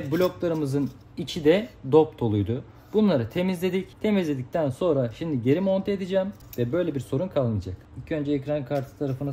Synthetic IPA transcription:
bulʲo̞klˠaɾɯmɯzɯn | it͡ʃʰid̪ɛd̪o̞p̚t̪ʰo̞lˠujd̪ʊ | bunlˠaɾɯt̪ʰe̞mizlʲe̞d̪ict̪ʰe̞mizlʲe̞d̪ic̚t̪ʰænso̞nɾaʃimd̪iɟe̞ɾimo̞nt̪ʰaed̪id͡ʒɛːm | vɛbø̞jlʲebiɾso̞ɾunkʰalˠːɯnad͡ʒakicʰø̞nd͡ʒɛːcɾankʰaɾt̪ʰɯ̥t̪ʰaɾafɯna

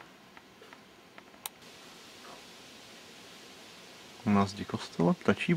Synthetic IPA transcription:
nazɟɪkost̪ʰɛlɛpt̪at͡ʃiː

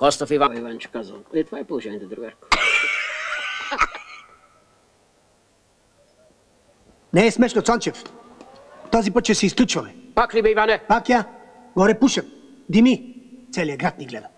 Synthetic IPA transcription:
kɔst̪ofivaivant͡ʃɛ̥kaza̰lˠɛt̪ovaɛpolˠoʒɛnʲiɛt̪ɛd̪ɾuɡɛɾko̥ | nɛːsmɛʃnot̪sant͡ʃɛf | t̪ɔzipət̪̚t͡ʃɛsɛisklʲut͡ʃvɐmɛpaklibɛivanɛpakja | ɡɔɾɛpuʃɐt̪ | d̪imit̪sɛliaɡɾat̪̚niɡlɛd̪ɐ

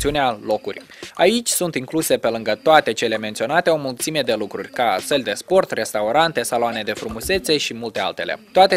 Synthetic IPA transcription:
siunealo̞kṵrʲ | ait͡ʃʲsunt̪iŋkluse̞pe̞lɨŋɡət̪oat̪e̞t͡ʃe̞le̞me̞nt̪sio̞nat̪e̞o̞mult̪simed̪e̞lukɾurʲkasəlʲd̪e̞spo̞rt̪re̞st̪auɾant̪e̞saloane̞d̪e̞fɾumuse̞t̪se̞ʃimult̪e̞a̰lt̪e̞lḛt̪oat̪e

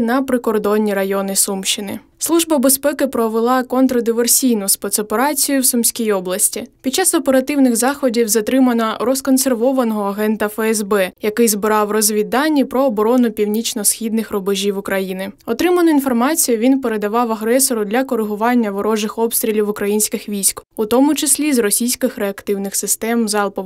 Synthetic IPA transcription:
nɐpɾɪkɔrd̪ɔnʲːiɾɐjɔnɪsumʃɪnɪ̰ | slˠuʒbɐbespɛkɪpɾɔʋelˠɑkɔnt̪ɾɐd̪ɪʋersʲijnʊspɛt̪sɔpeɾɑt͡sʲijʊwsʊmsʲkʲijɔblˠɐsʲtʲipʲid̪̚t͡ʃɑsɔpeɾɐt̪ɪwnɪxzɑxɔdʲiwzɐt̪ɾɪmɐnɐɾɔskɔnserʋɔʋɐnɔɦɔːɦɛnt̪ɐfɛɛzbɛjɐkɪjzbɪɾɑwrɔzʲʋʲid̪ɑnʲːipɾɔːbɔɾɔnʊpʲiwnʲit͡ʃnɔsxʲid̪nɪxrɔbɔʒʲiwʊkɾɐjinɪɔt̪ɾɪmɐnʊinfɔrmɑt͡sʲijʊʋʲinpeɾed̪ɐʋɑwɐɦɾɛsɔɾʊd̪lʲɐkɔɾɪɦʊʋɑnʲːɐʋɔɾɔʒɪxɔpst̪ɾʲilʲiwʊkɾɐjinʲsʲkɪxʋʲijsʲkʊt̪ɔmʊt͡ʃɪsʲlʲizrɔsʲijsʲkɪxɾeɐkt̪ɪwnɪxsɪst̪ɛmzɑlˠpɔ

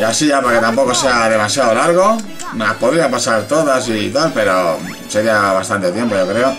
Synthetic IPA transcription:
iasiʝapake̞t̪ampo̞ko̞se̞aðe̞masjaðolaɾɣ̞o | napo̞ðɾiapasaɾt̪o̞ðas̬it̪alpe̞ɾo̞ | seɣiaβast̪ant̪et̪je̞mpo̞ʝo̞kɾe̞o̞

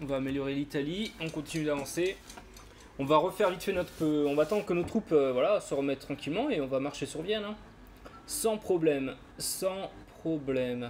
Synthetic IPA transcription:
ɔ̃vaːmeljɔʁelit̪aliɔ̃kɔ̃t̪inyd̪avɑ̃se | ɔ̃vaʁəfɛʁvit̪fenɔt̪χə̥pøɔ̃vaːt̪ɑ̃d̪ʁəkənot̪χupøvwalasəʁəmɛt̪ːχɑ̃kʲilmɑ̃eɔ̃vamaʁʃesyʁvjɛnɛ̃ | sɑ̃pχɔblɛm | sɑ̃pχɔblɛm

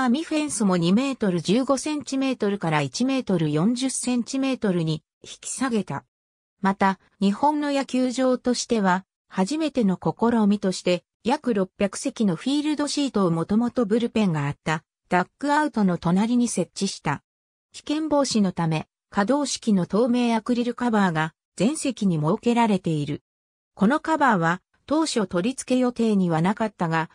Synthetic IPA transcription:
amʲiɸẽ̞ɰ̃sɨmo̞ɲ̟ime̞ːt̪o̞ɾɯ̟d͡ʑɨːɡo̞sẽ̞ɲ̟t͡ɕime̞ːt̪o̞ɾɯ̟kaɾait͡ɕime̞ːt̪o̞ɾɯ̟jõ̞ɲ̟d͡ʑɨsẽ̞ɲ̟t͡ɕime̞ːt̪o̞ɾɯ̟ɲ̟i | çi̥kʲi̥saɡe̞t̪a̰ | mat̪a | ɲ̟ihõ̞nːo̞jakʲɨːʑo̞ːt̪o̞ɕi̥t̪e̞β̞a | haʑime̞t̪e̞no̞ko̞ko̞ɾo̞ːmʲit̪o̞ɕi̥t̪e̞ | jakɯ̟ɾo̞pʲːjakɯ̟̥se̞kʲino̞ɸiːɾɯ̟d̪o̞ɕiːt̪o̞ːmo̞t̪o̞mo̞t̪o̞bɯ̟ɾɯ̟pẽ̞ŋɡaːt̪ːa | d̪̥akːɯ̟aɯ̟t̪o̞no̞t̪o̞naɾʲiɲ̟ise̞tt͡ɕːiɕi̥t̪a | kʲi̥kẽ̞mbo̞ːɕino̞t̪ame̞ | kad̪o̞ːɕi̥kʲino̞t̪o̞ːme̞ːjakɯ̟ɾʲiɾɯ̟kabaːɡa | z̥ẽ̞ɰ̃se̞kʲiɲ̟imo̞ke̞ɾaɾe̞t̪e̞iɾɯ̟ | ko̞no̞kabaːβa | t̪o̞ːɕo̞t̪o̞ɾʲit͡sɨ̥ke̞jo̞t̪e̞ːɲ̟iβanakat̪ːaɡa

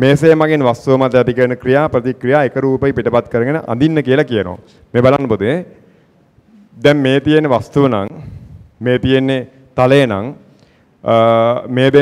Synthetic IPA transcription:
meːseːmaɡenʋast̪uʋəmat̪ːjat̪ikəɾənəkɾijaːpɾət̪ikɾijaːekəɾuːpəʋipiʈəpat̪kəɾəɡenəʔa̰nd̪inːəkijəlakijəno̰ | meːbalanːəpud̪ue | d̪ɛmmeːt̪ijenːeʋast̪uʋəna̰ŋ | meːt̪ijenːe | t̪aləjənã̰ŋ | meːd̪e

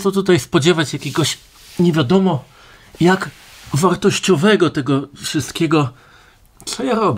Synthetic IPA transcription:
ɔt̪̬ut̪ajspɔd͡ʑɛvat͡ɕjakʲɛɡɔɕ | ɲɛvʲjad̪ɔmɔ | jak | vaɾt̪ɔɕt͡ɕɔvɛɡɔt̪ɛɡɔfʂɘst̪kʲɛɡɔ | t̪sɔjaɾɔbʲɛ

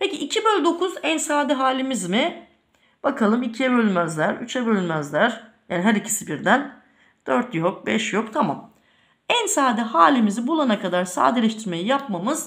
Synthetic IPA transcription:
pʰeciʔːcʰibølʲd̪o̞kʰuzænsaːd̪ɛɦaːlʲimizmɪ | b̥akʰalˠɯmicʰiɛbølʲmæzlʲæɾyt͡ʃʰɛbølʲmæzlʲæɾ̥jaːniɦæɾicʰi̥sibiɾd̪æn | d̪̥øɾt̪jok̚bɛʃjo̞kt̪ʰamam | ænsaːd̪ɛhaːlʲimizibulˠanakad̪aɾsa̰ːd̪elʲɛʃt̪ʰiɾmejijapmamɯz̥

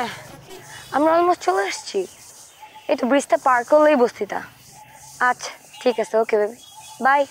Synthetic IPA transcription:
ɦɛ | amɾaɔlmost͡ɕoleaʃt͡ɕʰi | ejt̪obɾist̪ʰapaɾkolejbost̪it̪a̰ | atːɕʰḁʈʰikasʰeokebʱabebʱaj

